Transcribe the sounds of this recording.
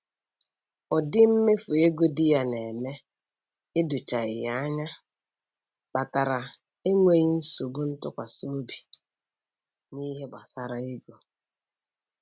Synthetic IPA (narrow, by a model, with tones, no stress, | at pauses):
ɔ˨dɪ˦m̩˦me˦fu˨e˦ɡo˦dɪ˦ja˦ne˨me˦ | ɪ˦dʊ˨t͡ʃa˨ɪ˨ja˦ɲa˦ | k͡pa˨ta˨ɾa˨ | e˦ŋʷe˦ɣɪ˦n̩˦so˨bo˦n̩˦tʊ˦kʷa˨so˦bi̥˨ | ni˦ɦe˦ɡ͡ba˨sa˦ɾa˨i˦ɡo˨